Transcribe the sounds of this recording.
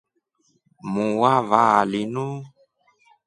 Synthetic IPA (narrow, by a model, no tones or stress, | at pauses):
mũwavalinũ